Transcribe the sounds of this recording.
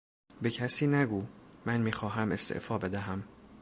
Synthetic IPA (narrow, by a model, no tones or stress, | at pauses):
be̞cʰæsiːnæɡuːmænmiːxɒːɦæme̞st̪ʰḛʔfɒːbe̞d̪æɦæm